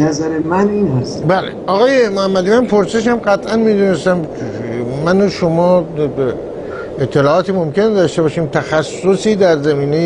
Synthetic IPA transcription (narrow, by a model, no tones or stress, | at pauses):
næzæɾemæniːnhæst̪bæːlḛɒɣɒːjemohæmːæd̪iːmænpʰoɾse̞ʃ̬æmɢæt̪ʰʔænmiːd̪unest̪æm | mænoʃomɒːb | et̪ʰːe̞lɒːɒːt̪imomkʰe̞ned̪ɒʃt̪ebɒːʃiːmt̪ʰæxæsːosiːd̪æɾzæmiːnej